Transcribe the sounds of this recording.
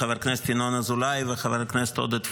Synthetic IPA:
avaɾknɛst̪inonazulajvexavaɾknɛst̪o̰d̪ət̪

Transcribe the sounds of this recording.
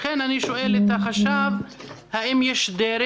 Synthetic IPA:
enaniʃoʔelet̪axaʃav | haimjɛʃd̪eɾ

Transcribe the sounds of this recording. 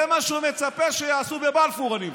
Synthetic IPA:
emaʃumet͡sapeʃejaːsubebalfuʁanim

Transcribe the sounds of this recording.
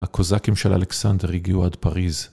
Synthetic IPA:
akʰozakimʃela̰leksand̪eʁiɡiuad̪paʁiz

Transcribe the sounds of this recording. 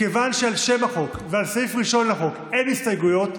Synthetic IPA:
e̞vanʃealʃe̞maχo̞kvealsejfʁiʃo̞nlaχo̞ke̞nist̪ajɡujo̞t̪

